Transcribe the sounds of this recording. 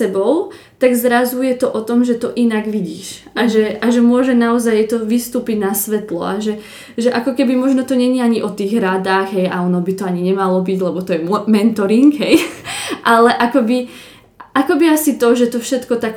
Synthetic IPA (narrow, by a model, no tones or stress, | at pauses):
ɛbɔʊ | t̪aɡzɾazujɛt̪ɔʔɔt̪ɔmʒɛt̪ɔʔinaɡʋiɟiːʃaʒɛaʒɛmʊɔʒɛnaɔzajt̪ɔʋist̪uːpiɟnasʋɛt̪lɔ̰aʒɛ | ʒɛʔakɔkɛbimɔʒnɔt̪ɔɲɛɲɛaɲiʔɔt̪iːɣɾad̪aːɣɦɛjaɔnɔbit̪ɔaɲiɲɛmalɔbiɟlɛbɔt̪ɔjɛmmɛnt̪ɔɾiŋɡɦɛjʔalɛʔakɔbi | ʔakɔbiasit̪ɔʒɛt̪ɔfʃɛt̪kɔt̪ak